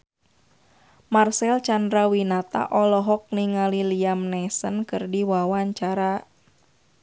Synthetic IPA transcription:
marsɛlt͡ʃandɾawinat̪a̰ʔɔlɔɦɔk̚niŋaliliamnɛsənkɨrdiwawaɲt͡ʃaɾa

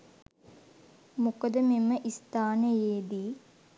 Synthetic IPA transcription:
mukəd̪əmemːəʔist̪aːnəjeːd̪iː

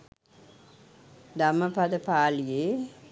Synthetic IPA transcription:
d̪aməpad̪əpaːlije

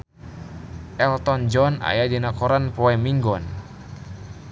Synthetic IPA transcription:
ʔɛlt̪ɔnd͡ʒɔna̰jadinakɔɾanpɔɛmiŋɡɔn

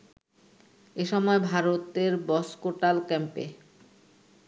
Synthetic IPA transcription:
eʃɔmɔebʱaɾot̪eɾbɔskoʈalkɛmpḛ

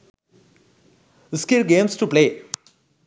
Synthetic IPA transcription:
skɪlɡẽːmsʈupleː

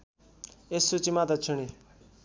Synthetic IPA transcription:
esːut͡simat̪ʌt͡sʰuɽ̃i

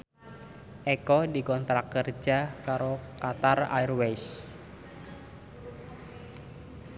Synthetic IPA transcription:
ʔekɔdikɔnt̪ɾakərd͡ʒakaɾokat̪ara̰irwes

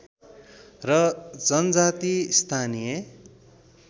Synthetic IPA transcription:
rʌd͡zʌnd͡zat̪ist̪ʰanije

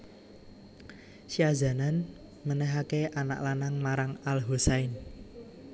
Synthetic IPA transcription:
siaza̤nan | mənɛɦakeʔana̰ʔlanaŋmaɾaŋalɦusaɪn

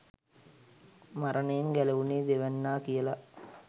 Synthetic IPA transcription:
maɾənəjeŋɡæləʋuneːd̪eʋænːaːkijəla

